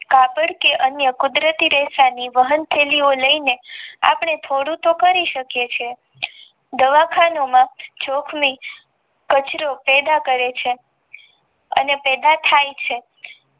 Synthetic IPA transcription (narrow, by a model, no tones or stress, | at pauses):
kapəɽkeʔənjəkʊd̪ɾət̪iɾesaniʋəɦənt̪ʰelioləinea̰pɳ̃et̪ʰoɽũt̪okəɾiʃəkjet͡ʃʰe | d̪əʋakʰanomãd͡ʒokʰmi | kət͡ʃɾopɛd̪akəɾet͡ʃʰe | ə̰nepɛd̪at̪ʰajt͡ʃʰe